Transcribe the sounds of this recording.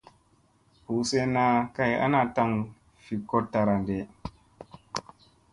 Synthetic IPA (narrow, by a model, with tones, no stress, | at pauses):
hu˨se˦na˦ka˦ja̰˦na˦˨ta˧ŋ | fi˨ko˦tːa˨ɾa˨nde˨